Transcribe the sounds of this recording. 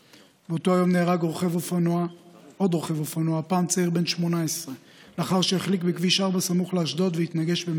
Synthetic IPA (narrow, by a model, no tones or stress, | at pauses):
beot̪oajo̞mneːʁaɡʁoχevofanuao̞d̪ʁoχevofanuapaːmt͡saiʁbenʃmonaesʁe | leaχaʁʃeeχlikbekviʃaʁbasamuχleaʃdo̞t̪vehit̪naɡe̞ʃbem